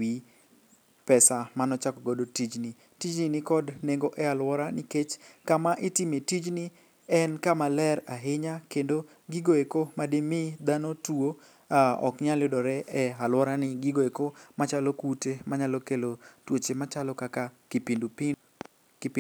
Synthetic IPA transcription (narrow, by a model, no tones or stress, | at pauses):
wi | pɛsamanɔt͡ʃakɔɡodotid͡ʒni | tid͡ʒninɪkɔdneŋɡoʔɛalwɔɾanɪket͡ʃkamaʔɪtɪmetid͡ʒni | ɛnkamalɛɾaɦɪɲakendo | ɡiɡoekomademɪd̪anotuo | aɔ̰kɲaljʊdɔɾɛɛalwɔɾanɪɡiɡoekomat͡ʃalokutemaɲalɔkelotwot͡ʃemat͡ʃalɔkakakɪpid | p